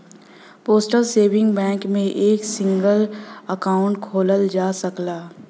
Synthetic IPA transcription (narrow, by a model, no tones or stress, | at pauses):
poːsʈəlseːʋɪ̃ŋɡbɛ̃ːkmẽʔeːksɪ̃ŋɡələkaːʊ̃ɳʈkʰoːləld͡ʒaːsəklaː